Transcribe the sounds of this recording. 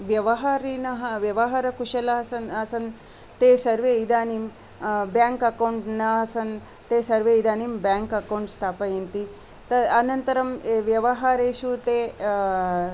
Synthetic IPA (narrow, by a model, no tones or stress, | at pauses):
ʋjɐʋɐɦaːɾinɐɦɐʋjɐʋɐɦaɾɐkuʂɐlɐɦɐsɐnɐsɐn | t̪eːsɐɾʋeid̪aːnim | bjaːŋkɐkɐwɳʈnɐɐsɐn | t̪eːsɐɾʋeːid̪aːnimbjaːŋkɐkɐwɳʈst̪ʰaːpɐjent̪i | t̪ɐɐnɐnt̪ɐɾɐmʋjɐʋɐɦaːɾeːʃut̪eː